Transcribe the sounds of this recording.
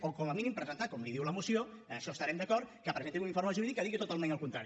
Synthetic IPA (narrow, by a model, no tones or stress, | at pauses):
okɔməminimpɾəzənt̪akɔmliðiwləmusio | əəʃɔst̪əɾɛmd̪əkɔɾt̪kəpɾəzent̪iŋuniɱfoɾməʒuɾiðikːəðiɣit̪ut̪alˠmẽnəlˠkunt̪ɾaɾ